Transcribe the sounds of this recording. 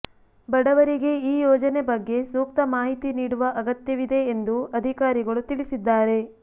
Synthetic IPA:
bɐɽɐʋɐɾiɡe̞iːjɔːd͡ʒɐnebɐɡːe̞suːk̚t̪ɐmaːɦit̪iniːɽuʋɐʔɐɡɐt̪jɐʋid̪e̞ːnd̪uɐd̪ʱikaːɾiɡɐɭut̪iɭisid̪ːaːɾe̞

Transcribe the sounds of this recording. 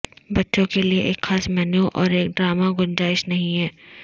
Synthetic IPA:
bɐtːʃõkelieʔeːkxaːsmɛːnjuʔɔːɾeːk̚ɖɾaːmaɡʊnd͡ʒaːɪʃnɐɦĩɦɛː

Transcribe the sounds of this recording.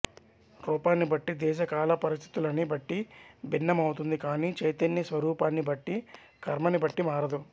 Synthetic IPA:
ɾuːpaːnːibɐʈːid̪ɛːʃɐkaːlɐpɐɾist̪ʰit̪ulɐnibɐʈːibinːɐmɐwt̪und̪ikaːniːt͡ʃɐjt̪ɐnːisʋɐɾuːpaːnːibɐʈːi | kʰɐɾmɐnibɐʈːimaːɾɐd̪u

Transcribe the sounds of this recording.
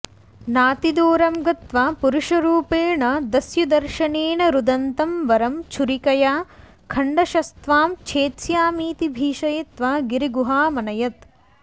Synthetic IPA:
naːt̪id̪oːɾɐmɡɐt̪ʋaːpuɾuʂɐɾuːpeːɳɐd̪ɐsjud̪ɐɾʃɐneːɳɐɾud̪ɐnt̪ɐmʋɐɾɐmt͡ʃʰuɾikɐjaː | kʰɐɳɖɐʃɐst̪ʋaːmt͡ʃʰeːt̪sjaːmiːt̪ibʱiːʃɐjɐt̪ʋaːɡiɾiɡuɦaːmɐnɐjɐt̪

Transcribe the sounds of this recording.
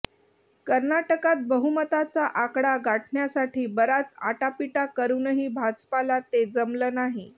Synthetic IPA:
kəɾnaʈəkat̪̚bəɦumət̪at͡saʔakɽaɡaʈɳjasaʈʰiːbəɾat͡sa̰ʈapiʈakəɾunəɦiːbʱad͡zpalat̪ed͡zəmləːnaɦi

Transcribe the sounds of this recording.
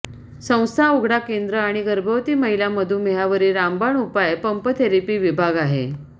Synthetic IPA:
sə̃w̃st̪ʰauɡɽakend̪ɾəaɽ̃iɡəɾbʱəʋt̪iːməɦiljaməd̪ʱuːnmejaʋəɾiːɾambaɳupajpəmpət̪ʰeɾipiːʋibʱaɡaɦḛ

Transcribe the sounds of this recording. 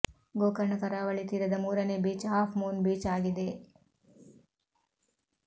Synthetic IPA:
ɡoːkɐɾɳɐkɐɾaːʋɐɭit̪iɾɐd̪ɐmuːɾɐnebiːt͡ʃɦaːpʰmuːnbiːt͡ʃaːɡid̪e

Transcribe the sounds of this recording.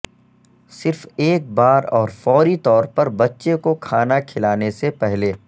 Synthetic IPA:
sɪɾfeːk̚baːɾɔːɾfɔːɾit̪ɔːɾpɐɾbɐtːʃekokʰaːnakʰɪlaːnesepɛɦleː

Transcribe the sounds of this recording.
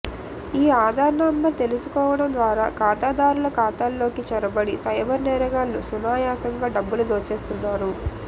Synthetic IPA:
iːaːd̪ʱaːɾnɐmbɐɾt̪e̞lusukɔːʋɐɽɐmd̪ʋaːɾaːkaːt̪aːd̪aːɾulɐkaːt̪aːlːo̞ːkit͡ʃɐɾɐbɐɽisɐjbɐɾnɛːɾɐɡaːlːusunaːjaːsɐŋɡaːɖɐbːulud̪oːt͡ʃe̞ːst̪unːaːɾu

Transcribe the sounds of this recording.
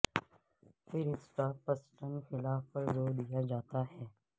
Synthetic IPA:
pʰɪɾɪskapəsʈənxɪlaːfpəɾzoːɾd̪ijad͡ʒaːt̪aɦɛː

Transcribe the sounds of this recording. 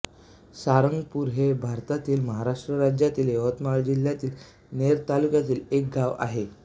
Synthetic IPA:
saɾəŋɡpuːɾɦebʱaɾt̪at̪iːlməɦaɾaʂʈɾəɾad͡ʑjat̪iːleʋət̪maɭd͡ʑiljat̪iːl | neɾt̪alukjat̪iːlek̚ɡʱaʋa̰ɦe

